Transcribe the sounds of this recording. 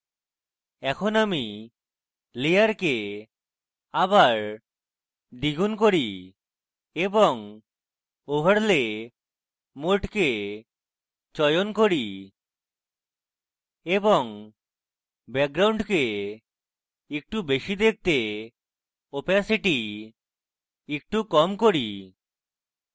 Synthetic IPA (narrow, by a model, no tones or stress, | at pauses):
ɛkʰonami | lijaɾke | abaɾ | d̪iɡunkoɾi | ebɔŋ | obʱəɾle | moɾʈke | t͡ʃɔjonkoɾi | ebɔŋ | bɛk̚ɡɾawɳɖke | ek̚ʈubeʃid̪ek̚ʰt̪e | opasiʈi | ek̚ʈukɔmkoɾi